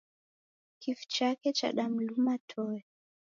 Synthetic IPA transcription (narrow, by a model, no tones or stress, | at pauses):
kifu̥t͡ʃakɛt͡ʃa̰ɗam̩lumatʰɔɛ